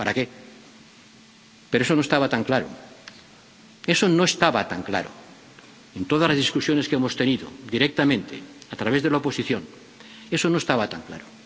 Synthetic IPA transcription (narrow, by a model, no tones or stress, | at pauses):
paɾake | peɾoeso̞noest̪aβat̪aŋklaɾo̰ | e̞sono̞e̞st̪aβat̪aŋkla̰ɾo̰ | ent̪o̞ðazlazðiskusjoneskemo̞st̪eniðo̰d̪iɾek̚t̪amẽnt̪eat̪ɾaβe̞zðelaopo̞siθjo̞n | esono̞e̞st̪aβat̪aŋkla̰ɾo